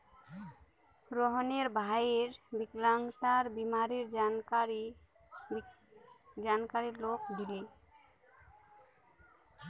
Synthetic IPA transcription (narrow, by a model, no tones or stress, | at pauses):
ɡɾɔɦoneɾbʱaiɾbiklaŋʈ̪aɾbimaɾiɾ | d͡ʑankaɾiɾlok̚d̪ile